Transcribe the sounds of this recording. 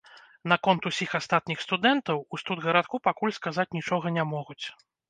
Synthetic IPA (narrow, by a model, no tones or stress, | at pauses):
nɐkɔnt̪usʲixast̪at̪̚nʲixst̪ud̪ɛnt̪ɐwust̪ud̪ɣɐɾat̪̚kupakulʲskazat͡sʲnʲit͡ʂɔɣɐnʲamɔɣut͡sʲ